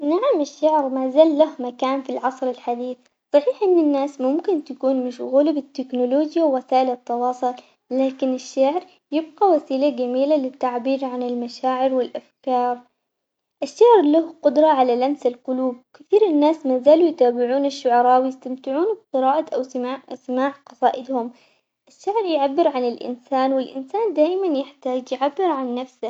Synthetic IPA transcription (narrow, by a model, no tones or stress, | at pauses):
naʕamaʃːaʕɾmaːzaːlːahmakaːnfilʕɑsˤɾɪlħad̪iːθ | sˤɑħiːħʔɪnːanːaːsmʊmkɪnt̪akuːnmɪʃʊɣʊːlɪbɪt̪ːɪknʊloːd͡ʒjawwasaːʔɪlɑt̪ːɑwɑːsˤʊl | laːkɪnɪʃːaʕɾ | jɪb̚ɡawasiːlad͡ʒamiːlalɪt̪ːaʕbiːɾʕanɪlmaʃaːʕɪɾwɪlʔafkɑːɾˤ | ʔɪʃːaʕɾlahqʊd̪ɾˤɑʕalalamsɪlqʊluːb̚wkɪθiːɾɪnːaːsmaːzaːlujt̪aːbɪʕuːnaʃːʊʕɑɾˤɑːwjɪst̪amt̪ɪʕuːnb̚q̪ɨɾɑːʔaʔasɪmaːʕqɑsˤɑːʔɪd̪hʊm | ʔɪʃːaʕɾjʕabːɪɾʕanɪlʔɪ̰nsaːnwɪlʔɪ̰nsaːnd̪aːʔɪmanjɪħt̪aːd͡ʒjʕabːɪɾʕanːafsa